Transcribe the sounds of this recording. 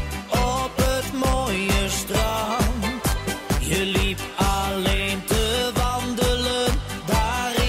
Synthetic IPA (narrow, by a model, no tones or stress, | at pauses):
ɔpətmoːjəstran | jəlipɑlentəvɑndələn | daːr